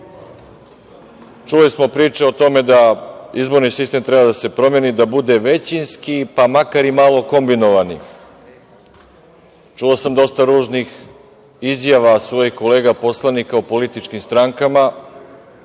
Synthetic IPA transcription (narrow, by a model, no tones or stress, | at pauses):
t͡ʃulismo̞pɾiːt͡ʃe̞ot̪o̞me̞d̪aizbo̞ɾnisist̪e̞mt̪ɾebad̪ase̞pɾo̞mje̞nid̪abud̪e̞ʋe̞t͡ɕinskipamakaɾimalˠo̞ko̞mbino̞ʋani | t͡ʃuosamd̪o̞st̪aɾuːʒnix | izjaʋasʋo̞ːjixko̞le̞ːɡapo̞slˠanikaopo̞lit̪it͡ʃkimst̪ɾaŋkama